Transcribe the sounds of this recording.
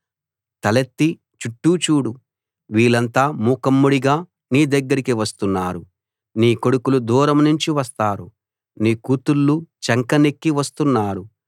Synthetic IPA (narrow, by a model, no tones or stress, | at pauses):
t̪ɐlet̪ːi | t͡ʃuʈːut͡ʃuːɽu | ʋiːlɐnt̪aːmuːkɐmːuɽiɡaː | niːd̪ɐɡːɐɾikiʋɐst̪unːaːɾu | niːko̞ɽukulud̪uːɾɐmnuɲt͡ʃiʋɐst̪aːɾṵ | niːkuːt̪ulːut͡ʃɐŋkɐnekːiʋɐst̪unːaːɾu